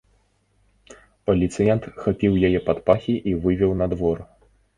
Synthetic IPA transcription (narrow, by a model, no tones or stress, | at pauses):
pɐlʲit̪sɨjɛnt̪xapʲiwjajɛpat̪paxʲiʔivɨvʲɛwnɐd̪vɔr